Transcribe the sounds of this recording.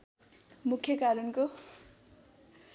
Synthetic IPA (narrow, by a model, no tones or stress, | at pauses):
mukʰːjʌkaɾʌnko